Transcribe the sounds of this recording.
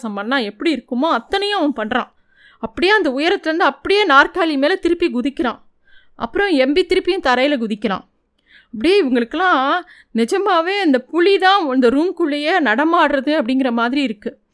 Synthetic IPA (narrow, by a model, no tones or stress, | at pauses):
sɐ̃mpɐnːãːɛpːɐɽiɪɾɯkːɯmoːɐt̪ːɐnɐjʊ̃ɐʋɐpɐɳːɾã̰ː | ɐpːɐɽɪjaːɐnd̪ɐʊjɐɾɐt̪ːlɐɾɯnd̪ɯɐpːɐɽɪjeːnaːɾkaːlimeːlɛt̪ɪɾɯpːiɡʊðɪkːɪɾãː | ʔɐ̰pːɯɾɔ̃ɛmbit̪ɪɾɯpːɪjʊ̃t̪ɐɾɐjɪlɐɡʊðɪkʲːɪɾã̰ː | ɐpːɐɽɪjeːɪʋɐŋɡɐɭɯkːɯlãː | nɪd͡ʒɐmaːʋeːɐnd̪ɐpʊɭit̪ãːɐnd̪ɐɾuːmkʊɭːɐjenɐɽɐmaːɽɾɐðɯɐpːɐɽɪŋɡɪɾɐmaːðɪɾiɪɾɯkːɯ